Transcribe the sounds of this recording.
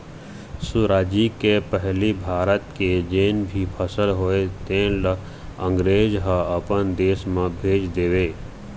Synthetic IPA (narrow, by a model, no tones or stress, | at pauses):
suɾaːd͡ʒikepəɦlibʱaːɾət̪ked͡ʒeːnbʱipʰəsəlɦoːet̪ẽːlə | ə̃ŋɡɾeːd͡ʒɦə̃əpənd̪eːsmẽbʱeːd͡ʒd̪eːʋeː